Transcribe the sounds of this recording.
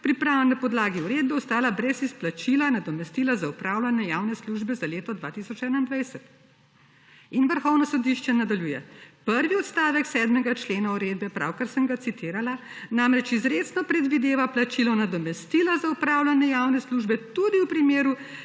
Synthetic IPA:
pɾipɾanapɔd̪laːɡiuɾeːd̪̚bɛɔst̪aːlabɾɛsisplat͡ʃilanad̪ɔmɛst̪iːlazaupɾaːwlanjɛjawnɛsluʒbɛzaleːt̪ɔd̪ʋaːt̪isɔt͡ʃɛːnaind̪ʋajsɛt̪ | inʋəɾxɔwnɔsɔd̪iʃt͡ʃɛnad̪aljuːjɛpəɾʋiɔt̪st̪aːʋɛksɛd̪mɛɡat͡ʃleːnauɾeːd̪bɛpɾa̰wkaɾsəŋɡat̪sit̪ʰiːɾalanamɾɛt͡ʃizɾeːt̪snɔpɾɛd̪ʋid̪eːʋaplat͡ʃilɔnad̪ɔmɛst̪iːlazaupɾaːwlanɛjawnɛsluːʒbɛt̪ud̪iwpɾimeːɾu

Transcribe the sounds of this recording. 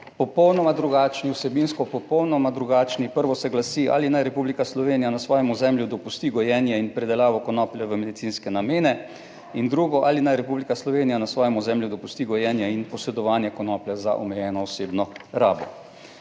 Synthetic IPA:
pɔpɔwnɔmad̪ɾuɡaːt͡ʃniwsɛbinskɔpɔpɔwnɔmad̪ɾuɡaːt͡ʃnipəɾʋɔsɛɡlasiʔa̰linajɾɛpublikaslɔʋeːnijanasʋɔːjɛmɔzɛmljud̪ɔpust̪iːɡɔjɛːnjɛinpɾɛd̪ɛlaːʋɔkɔnɔːplʲjɛʋəmɛd̪it̪siːnskɛnameːnɛ | ind̪ɾuːɡɔʔaːlinajɾɛpublikaslɔʋeːnijanasʋɔːjɛmɔzɛmljud̪ɔpust̪iɡɔjɛnjɛinpɔsɛd̪ɔʋaːnjɛkɔnɔpljɛza̰ʔɔmɛjɛːnɔːseːbnɔɾaːbɔ

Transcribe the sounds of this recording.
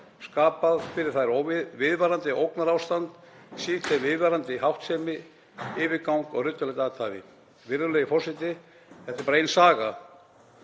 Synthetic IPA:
skaːpaðfɪɾɪɾ̥θaɾowɪvɪðvɛɾant̪ɪowknaɾawst̪ant̪ | si̥t̪ɛvɪðvɛɾant̪ɪɦawht̪sɛmɪ | ɪːvɪkawŋkɔɣrʏt̪ːʏlɛjt̪aːt̪ʰaːvɪ̰ | vɪɾðʏlejɪfɔrsɪt̪ɪ | θɛht̪ɪɾpaɾejnsaːɣa̰

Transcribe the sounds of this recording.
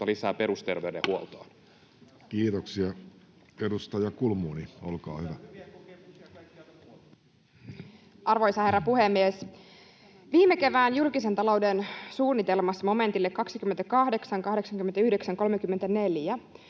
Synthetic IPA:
ɑlisæːpe̞ɾust̪erʋeydḛhuolt̪oːn | kiːt̪oksiɑ | eɾust̪ɑjɑkulmuːniolkɑ̰ːhyʋæ | ʔɑrʋojsɑherːɑpuhemːies | ʋiːmeke̞ʋæːnjulkis̬e̞nt̪ɑlo̞wdensuːnːit̪elmɑsmo̞me̞nt̪ilːekːɑksikymːent̪ækɑhde̞ksɑŋkɑɦɾe̞ksɑŋk̟ymːent̪æyhde̞ksæŋko̞lmekymːent̪æne̞ljæ

